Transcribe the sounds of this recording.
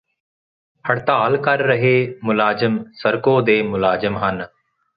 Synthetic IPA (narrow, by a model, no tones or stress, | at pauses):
həɽt̪aːalkəɾːəɦeːmʊlaːzɪmsəɾkoːd̪eːmʊlaːzɪmɦən